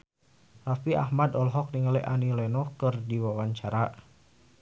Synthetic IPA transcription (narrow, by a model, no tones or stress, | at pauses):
rafia̰hmadɔlɦɔk̚niŋalɛʔanilɛnɔkɨrdiwawaɲt͡ʃaɾa